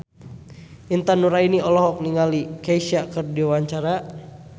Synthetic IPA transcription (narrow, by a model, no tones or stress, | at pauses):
int̪anuɾainiɔlɔɦɔk̚niŋalikaiʃakərdiwaɲt͡ʃaɾa